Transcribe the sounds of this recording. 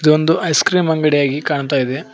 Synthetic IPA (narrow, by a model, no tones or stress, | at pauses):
id̪uond̪uɐjskɾiːmɐŋɡɐɽɛjaːɡikaːɳt̪̬aːjid̪e